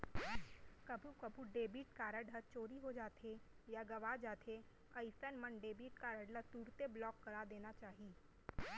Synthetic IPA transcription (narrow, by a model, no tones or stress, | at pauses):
kɐbʱukɐbʱuɖeːbiːʈkaːɾəɖət͡ʃoːɾiɦod͡ʒaːt̪ʰejaɡɐʋaːd͡ʒaːt̪ʰe | ɐisənmənɖeːbiːʈkaːɾəɖlat̪uːɾt̪eblɔːkːɐɾaːd̪eːnat͡ʃaːɦiː